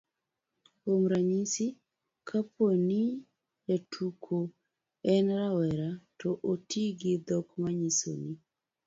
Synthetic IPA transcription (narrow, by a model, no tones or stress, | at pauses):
omɾaɲisi | kʰapʰoni | jatʰukʰo | ɛnɾawɛɾatɔʔotiɡɪd̪ɔkmaɲiso̰ni